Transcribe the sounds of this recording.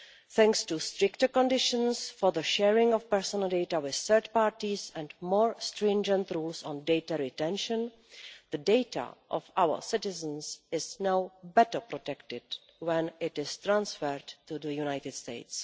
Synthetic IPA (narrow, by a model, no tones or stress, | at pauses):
θɛ̃ŋkstust̪ɾɪktəkɔ̃ndɪʃə̃nsfɔðəʃɛɹɪ̃ŋɔfpɛɹsɔnəlˠdejtawɪθθəɹt̪paːɹtisɛ̃ndmoːɹst̪ɾɛ̃nd͡ʒə̃nt̪ɾuːlsɔ̃ndejtaɹɪtɛ̃nʃə̃n | ðədejta̰ʔɔ̰fʔawə̰sɪtɪzə̃nsɪznawbɛtə˞pɾɔt̪ɛktɪd | wɛ̃nɪtɪst̪ɾãnsfəɹtːuðəjunajtɪdstḛɪts